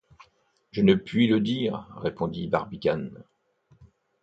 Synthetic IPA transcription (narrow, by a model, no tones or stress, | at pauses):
ʒənəpɥiləd̪iːʁːepɔ̃d̪ibaʁbikʲan